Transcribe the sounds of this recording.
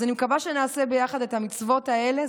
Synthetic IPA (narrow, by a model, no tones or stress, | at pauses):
animekabaʃenaːsebe̞jaχad̪e̞t̪amit͡svo̞t̪aele